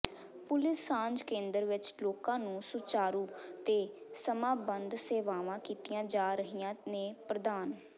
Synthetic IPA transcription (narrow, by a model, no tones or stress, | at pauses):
pʊlɪsːãːɲd͡ʒkẽːnd̪əɾʋɪt͡ʃloːkãːnũːsʊt͡ʃaːɾuːt̪eːsəmaːbənd̪seːʋaːʋãːkiːt̪ijãːd͡ʒaːɾəɦijãːneːpɾəd̪aːn